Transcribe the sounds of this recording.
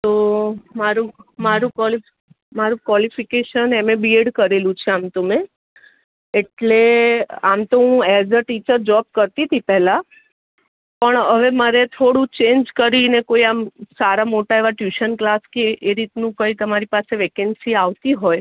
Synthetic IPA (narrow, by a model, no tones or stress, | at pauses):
t̪omaɾũmaɾũkɔli | maɾũkʋɔlifikeʃənɛmebieɽkəɾelũt͡ʃʰeamt̪ome | eʈleamt̪oɦũɛzəʈit͡ʃəɾd͡ʒɔp̚kəɾt̪it̪ʰipɛɦla | pəɳəʋeməɾet̪ʰoɽũt͡ʃeɲd͡ʒkəɾinekoiamsaɾamoʈaeʋaʈjuʃənklaskeʔːɾit̪nũkəit̪əmaɾipaseʋekɛɳɖsiaʋt̪iɦoj